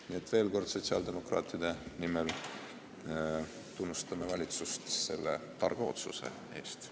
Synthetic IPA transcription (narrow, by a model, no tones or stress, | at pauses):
nie̞t̪ːˑve̞ːlko̞rd̪̥so̞t̪siɑ̰ld̪e̞mo̞krɑ̰ːt̪ːˑid̪e̞nimel | t̪unːust̪ɑmevɑlʲit̪sust̪se̞lːḛt̪ɑrɡ̥ɑo̞̰t̪sṵse̞̰ | e̞ːst̪